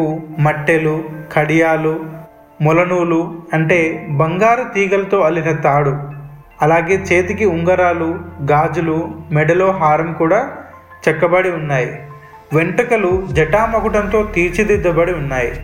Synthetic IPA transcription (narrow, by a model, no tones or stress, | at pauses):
umɐʈːelukʰɐɽijaːlu | mɔlɐnuːluɐɳʈe̞ːbɐŋɡaːɾut̪iːɡɐlɐt̪o̞ːɐlinɐt̪aːɽu | ɐlaːɡe̞ːt͡ʃe̞ːt̪ikiuŋɡɐɾaːluɡaːd͡ʒulumɛɖɐlo̞ːɦaːɾɐmkuːɽaː | t͡ʃɛkːɐbɐɽiunːaːji | ʋeɳʈɐkɐlud͡ʒɛʈaːmɐkuʈɐnt̪o̞ːt̪iːt͡ʃid̪id̪ːɐbɐɽiunːaːji